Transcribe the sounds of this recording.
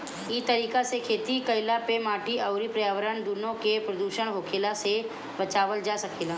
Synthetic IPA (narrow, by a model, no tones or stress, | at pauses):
it̪ɐɾiːkasekʰeːt̪ikɐɪlapemaːʈiɐʊɾipɾəjaːʋəɾənd̪unõkepɾɐd̪uːʃəɽ̃ɦoːkʰeːlase | bɐt͡ʃaːʋəld͡ʒaːsɐkeːlaː